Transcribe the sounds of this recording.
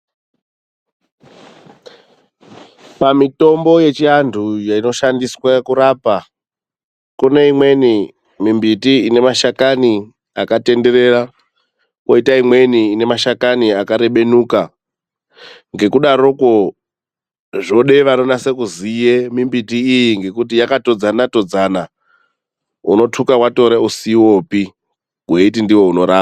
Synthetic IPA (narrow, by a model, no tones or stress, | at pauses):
pamito̞mbo̞je̞t͡ʃiandʰʱujaino̞ʃandiswakuɾapa | kuneimwe̞ni | mimbitiine̞maʃakani | akate̞nde̞ɾe̞ra | kwoitaimwe̞niːne̞maʃakaniakaɾe̞ɓe̞nuːka | ŋɡe̞kuɗaɾo̞ko | ʐoɗe̞ʋano̞nasekuzijemimbitiːjiŋɡe̞kutijakato̞d͡zanato̞d͡zana | ṵno̞tʰukawato̞ɾeusiwo̞pi | ɡ̥ʱweitindiwo̞uno̞ɾaːa